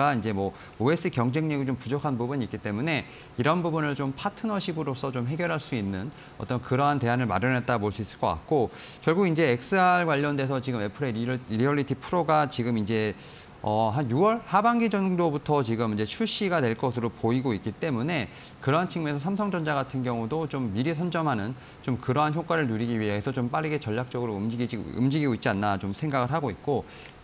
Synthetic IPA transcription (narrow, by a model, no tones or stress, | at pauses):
aind͡ʑe̞mwʌ | oes͈ɯkjʌŋd͡ʑe̞ŋɲeɡit͡ɕompud͡ʑʌkʰanbubuɲik͈it͈e̞mune̞ | iɾʌnbubunɯɭt͡ɕompʰatʰɯnʌɕʰibɯɾos͈ʰʌt͡ɕomɦe̞ɡjʌɾɦaɭs͈uinːɯn | ʌ̰t͈ʌnkɯɾʌɦanteɦanɯɭma̰ɾjʌnɦet͈̚aɡopoɭs͈uis͈ɯ̥ɭk͈ʌk͈a̰k̚k͈okjʌɭɡuɡind͡ʑe̞ːk̚s͈ɯaɭɡwaʎːʌnde̞sʰʌt͡ɕiɡɯme̞pʰɯɾeɾiʌɭːitʰipʰuɾoɡat͡ɕiɡɯmind͡ʑe̞ | ʌɦanjuwʌɭhabaŋɡid͡ʑʌndobutʰʌt͡ɕiɡɯmind͡ʑe̞t͡ɕʰuɕ͈iɡadwe̞ɭk͈ʌsʰɯɾopoiɡoik͈it͈e̞mune̞ | kɯɾʌɦant͡ɕʰiŋmuesʰʌsʰamsʰʌŋd͡ʑʌnd͡ʑaɡatʰɯnɡjʌŋudot͡ɕomːiɾisʰʌnd͡ʑʌmɦanɯn | t͡ɕomkɯɾʌɦançjok͈waɾɯɭnuɾiɡiɥieesʰʌt͡ɕomp͈aɾiɡe̞t͡ɕʌʎːak̚t͡ɕ͈ʌɡɯɾoɯmd͡ʑiɡiɯ̰md͡ʑiɡiɡoit̚t͡ɕ͈ianːat͡ɕomsʰe̞ŋɡaɡɯɭɦaɡoit̚k͈o